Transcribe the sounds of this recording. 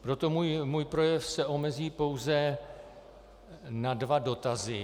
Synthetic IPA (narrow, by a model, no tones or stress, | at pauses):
pɾo̞t̪o̞mujmuːjpɾo̞jɛfsɛʔo̞mɛziːpo̞wzɛ | nadvado̞t̪azɪ